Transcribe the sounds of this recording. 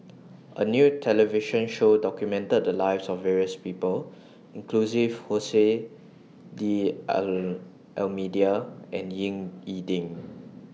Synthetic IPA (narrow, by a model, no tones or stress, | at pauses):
ʔə̰njutʰɛlɛviʃə̃nʃodɔkjumɛ̃ntət̚dəlaɪvsɔfːɛɹiəspipəl | ĩŋklusivhose | di | ʔɛlmidiaʔɛ̃njĩŋidĩŋ